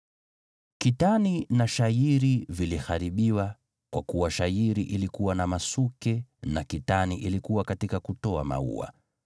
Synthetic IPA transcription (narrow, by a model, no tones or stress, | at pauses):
kitaninaʃaiɾivilixaɾiɓiwa | kwakuwaʃaiɾiʔilikuwanamasukɛnakitaniʔilikuwakatikakutɔama̰ṵa̰